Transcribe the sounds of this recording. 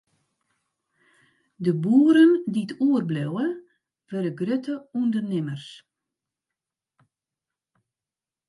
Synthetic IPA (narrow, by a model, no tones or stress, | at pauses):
dəbuəɾənditʰuərblɛwə | ʋɛɾəɡrøtʰəundərnɪmərs